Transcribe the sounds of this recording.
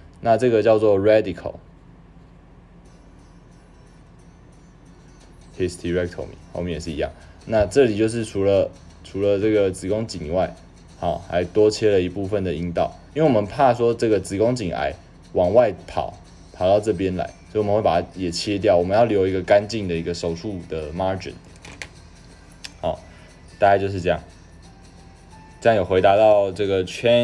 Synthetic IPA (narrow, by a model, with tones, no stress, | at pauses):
na˥˧ʈ͡ʂɤ˥˩ɡə˨t͡ɕjɑ˥˧ʊt͡swɔ˥˨ɹɛ˥d̪i˨kʰə̰˨˩l | hi˥˩st̪ʰi˧ɹɛ˥k̚t̪ʰo̰˨ʊmḭ˨˦xo˥˧ʊmɛ˥ŋjɛ˨˩ʂ̬ɻ̩˥˩˨ḭ˧jɑ̰˥˩ŋna˥˧ʈ͡ʂɤ˥˩˨li˨˩t͡ɕjo˥˧ʊʂ̬ɻ̩˥˩ʈ͡ʂʰu˧˥lə˨ʈ͡ʂʰu˨˥lə˨ʈ͡ʂɤ˥˩ɡə˩t͡sɹ̩˧˥ko˦ŋt͡ɕi˨˩ŋwa˥˩ɪ | hɑ˨˩ʊla˧˥ɪt̪wɔ˦t͡ɕʰjɛ˥lə˨i˧pu˥˧fə˨nd̪ə˩i˦nt̪ɑ̰˥˨ʊi˥we˥˩˨wɔ˨˩mə˨˦npʰa˥˧swɔ˦ʈ͡ʂɤ˥˩ɡə˩t͡sɹ̩˧˥ko˥˦ŋt͡ɕi˨˩ŋa̰˧˦ɪ | wɑ˨˩ŋwa˥˩ɪpʰɑ̰˨˩˦ʊ | pʰɑ˨˩ʊt̪ɑ˥˧ʊʈ͡ʂɤ˥˩p̬jɛ˦˥nla̰˧˦ɪswo˨˥i˨ə˦xwe˥˩a˨˩a˥jɛ˨˩t͡ɕʰjɛ˦t̪̬jɑ˥˩ʊwɔ˨˩mə˦njɑ˥˩ljo˧˥ʊi˧˥ɡə˧ka˦nt͡ɕi˥˩ŋd̪ə˩i˧˥ɡə˧ʂo˨˩ʊʂʰu˥˩d̪ə˩ma˥ʈ͡ʂḭ˨˦n | xɑ˨˩ʊ | t̪a˥˩ka˥t͡ɕjo˥˧ʊʂ̬̩˥˧ʈ͡ʂɤ˥˧jɑ˥˨˩ŋ | ʈ͡ʂɤ˥˧jɑ˥˩ŋjo˨˩xwe˧˥ɪt̪a˧˦t̪ɑ˥˧ʊʈ͡ʂɤ˥˩ɡə˩t͡ɕʰɥɛ˥˦